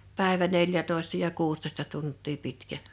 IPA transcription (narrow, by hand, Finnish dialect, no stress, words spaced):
pæˑeʋæ neljætoˑestɑ jɑ kuːstoĕstɑ tuntˑiː pitkæ